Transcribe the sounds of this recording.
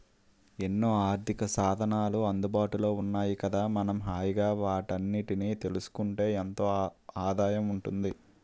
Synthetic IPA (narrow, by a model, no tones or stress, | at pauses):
e̞nːoːaːɾt̪ʰikɐsaːd̪ʱɐnaːluɐnd̪ubaːʈulo̞ːunːaːjikɐd̪aːmɐnɐmɦaːjiɡaːʋaːʈɐnːiʈiniːt̪e̞lusu̥kuɳʈe̞ːent̪o̞ːaːd̪aːjɐmuɳʈund̪i